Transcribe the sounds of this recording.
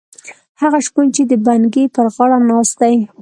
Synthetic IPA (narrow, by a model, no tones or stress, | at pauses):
haɣaʃkunt͡ʃed̪əbanɡepəɾɣɑɽanɑst̪aj